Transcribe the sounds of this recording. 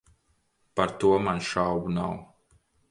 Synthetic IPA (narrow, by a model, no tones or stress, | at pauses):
paɾt̪uɔmanʃawɡunaw